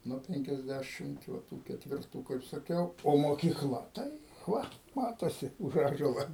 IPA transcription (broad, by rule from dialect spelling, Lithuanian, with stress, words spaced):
nuɔ ˌpʲɛŋʲkʲɛzʲˈdʲæʃʲɪmt ʋɐ ˈtuː kʲɛtʲʋʲɪrˈtuː kɐɪp sɐˈkʲɛʊ oː moːkʲiːˈklˠɐ ˈtɐɪ ˈʋɐ ˈmɑːtoːsʲɪ ʊʃ ˈɑːʒuɔlˠɐ